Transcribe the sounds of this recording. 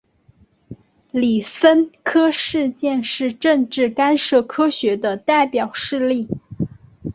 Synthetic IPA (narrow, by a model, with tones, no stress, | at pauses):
li˨˩sə˥nkʰɤ˥ʂɻ̩˥˧t͡ɕjɛ˥˧nʂɻ̩˥˧ʈ͡ʂə˥˧ŋʈ͡ʂɻ̩˥˩ka˥nʂɤ˥˩kʰɤ˥ɕɥɛ˧˥d̪ə˧t̪a˥˩ɪpjɑ˨˩ʊʂɻ̩˥˧li˥˩